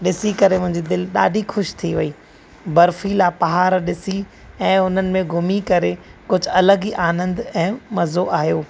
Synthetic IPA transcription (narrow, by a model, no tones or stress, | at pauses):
ɗɪsikɐɾemʊ̃ɦɪ̃ɲd͡ʑid̪ɪlɗa̰ːɖʱixʊʃt̪ʰiʋɐiː | bɐɾfilaːpɐɦaːɾɗɪsi | ɛ̃ːʊn̤ənɪ̆mẽɡʱʊmikɐɾekʊd͡ʑʱʊɐləɡiʔaːnə̃nd̪ɛ̃ːmɐzoʔaːɦijoː